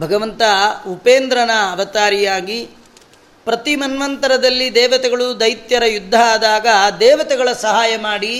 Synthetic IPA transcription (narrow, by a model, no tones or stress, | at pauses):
bʱɐɡɐʋɐnt̪ɐupeːnd̪ɾɐnɐːʋɐt̪aːɾijaːɡi | pɾɐt̪imɐnʋɐnt̪ɐɾɐd̪ɐlːid̪ɛːʋɐt̪ɛɡɐɭud̪ɐjt̪jɐɾɐjud̪ʱːɐaːd̪aːɡɐd̪ɛːʋɐt̪ɛɡɐɭɐsɐɦaːjɐmaːɽi